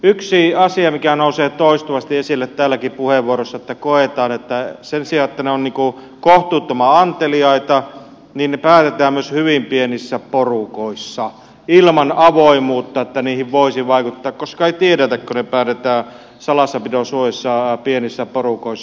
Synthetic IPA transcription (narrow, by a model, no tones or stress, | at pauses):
yksiɑsiɑmikænouseːt̪oist̪uʋɑst̪iesilːet̪tːæːlːækipuheʋuorosːɑet̪ːækoet̪ɑːnet̪ːæsensiɑet̪ːæneonniːŋku | koht̪uːt̪ːomɑɑnt̪eliɑit̪ɑ | niːnnepæːt̪et̪æːmmyøshyʋimpienisːæporukoisːɑ | ilmɑnɑʋoimuːt̪ːɑet̪ːæniːhiʋʋoisiʋɑikut̪ːɑːkkoskɑeit̪ieɾæt̪ækkonepæːt̪et̪æː | sɑlɑsːɑpit̪osuojesːɑpienisːæporukoisː